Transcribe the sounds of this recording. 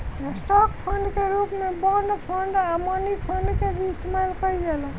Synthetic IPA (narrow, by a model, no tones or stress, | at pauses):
esʈɔkpʰəɳɖkeɾupmebənɖpʰəɳɖamɔnipʰəɳɖkebisʈmelkəid͡ʒelə